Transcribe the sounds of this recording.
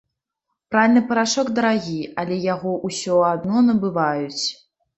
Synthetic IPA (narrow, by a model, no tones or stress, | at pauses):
pɾavʲilʲnɨpɐɾaʂɔkd̪ɐɾaɣʲiɐlʲɛjaɣɔʔusʲɔad̪nɔnɐbɨvajut͡sʲ